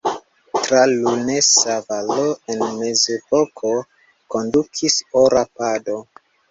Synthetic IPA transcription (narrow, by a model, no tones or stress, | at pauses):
tɾalunesavaloenme̞zepo̞kʰo̞ | ko̞ndukʰisoɾapado̞